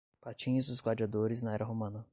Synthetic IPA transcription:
pat͡ʃĩɲʊzd̪ʊzɡlad͡ʒiad̪oɾɪznɐɛɾɐɦomɐ̃nɐ

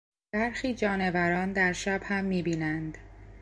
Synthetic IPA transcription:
b̥æɾxiːd͡ʒɒːne̞væɾɒːnd̪æɾʃæbhæmːiːbiːnænd̪

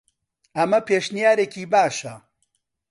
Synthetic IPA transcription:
ɐmɐpeːʃnijaːɾeːciːbaːʃɐ

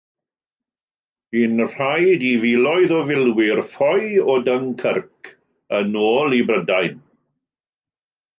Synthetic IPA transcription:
b̥iːnr̥ajdivilˠɔɨðɔvɪlˠwɪrfɔjɔdəŋkʰərkʰ | ənoːlˠibrədajn

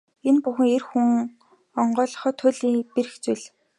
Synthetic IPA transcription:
enpuxɘ̆ŋerxuŋ | ɔɴɢœːɮɞ̥̆χɔːt̪ʰʊɮiːŋpeɾɘ̆xt͡sujɮ

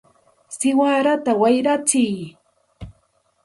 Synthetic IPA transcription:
sɪwaːɾat̪awajɾat͡sɪj

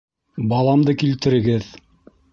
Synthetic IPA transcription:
bɑlˠɑmd̪ɤkilt̪ɘ̆ɾɘ̆ɡɘð

